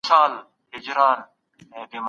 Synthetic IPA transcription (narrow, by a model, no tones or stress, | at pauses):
saːl | ɦɪd͡ʑɾaːn | b̪im